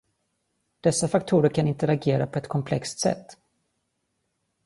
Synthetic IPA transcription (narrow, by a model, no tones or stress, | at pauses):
d̪̥ɛsːafak̚t̪ʰuːɾəɾkʰanɪnt̪əɾaɡeːɾapʰɔɛt̪kʰɔmpʰlɛkst̪sɛ̰t̪ː